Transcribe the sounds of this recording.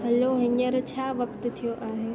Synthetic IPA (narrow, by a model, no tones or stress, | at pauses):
ɦɐloɦɐɲəɾt͡ɕʰaːʋɐkt̪̆t̪ʰijoʔaːɦeː